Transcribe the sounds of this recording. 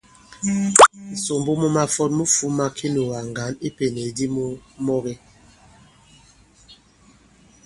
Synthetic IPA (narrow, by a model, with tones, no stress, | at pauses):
n̩˨so˨m˨bo˦mu˦ma˦fɔ˦t̚mu˦fu˦ma˦kʰi˦nu˨wa˨ŋ˨ɡa˨˦ni˦pe˨ne˨di˦mu˦mɔ˦ɣɛ˦